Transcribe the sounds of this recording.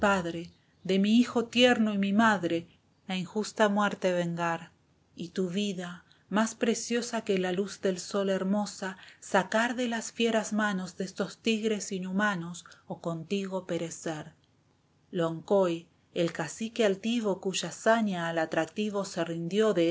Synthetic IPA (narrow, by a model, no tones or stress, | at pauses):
paðɾe | ðemiixo̞t̪jeɾnoimimaðɾe | aiŋxust̪amweɾt̪eβeŋɡaɾ | it̪uβiða | maspɾesjo̞sakelaluzd̪e̞lso̞le̞ɾmo̞sasakaɾðelasfjeɾazmano̞zðest̪ost̪iɣɾe̞sinumanosokont̪iɣopeɾeseɾ | loŋkoj | elkasikealt̪iβ̞okuʒasaɲaːlat̪ɾak̚t̪iβo̞serind̪jo̞ðe